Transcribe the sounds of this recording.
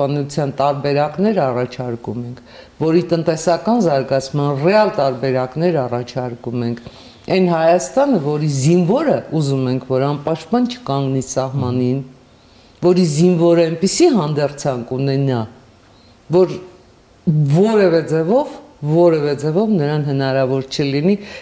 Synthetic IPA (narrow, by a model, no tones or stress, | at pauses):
ʃpɑnut͡sʰjɑnt̪ɑɾbɛɾɑknɛɾɑrɑt͡ʃʰɑɾkumɛŋkʰvɔɾit̪ənt̪ɛsɑkɑnzɑɾɡɑt͡sʰmɑnrɛɑlt̪ɑɾbɛɾɑknɛɾɑrɑt͡ʃʰɑɾkumɛŋkʰ | ɛnhɑjɑst̪ɑnəvɔɾizinvɔɾəuzumɛŋkʰvɔɾɑnpɑʃt̪pɑnt͡ʃʰə̥kɑŋɡnisɑɦmɑnin | vɔɾizinvɔɾəɛnpisiɦɑnd̪ɛrt͡sʰɑŋkunɛnɑ | vɔɾ | vɔɾɛvɛd͡zɛvɔvːɔɾɛvɛd͡zɛvɔvnəɾɑnɦənɑɾɑvɔɾt͡ʃʰəlini